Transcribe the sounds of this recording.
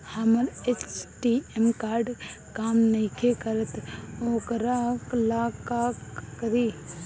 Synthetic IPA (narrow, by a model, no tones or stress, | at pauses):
hɐməɾet͡ʃʈiemkaːɾɖkaːmnɐikʰekɐɾət̪oːkəɾaklaːkaːkːɾi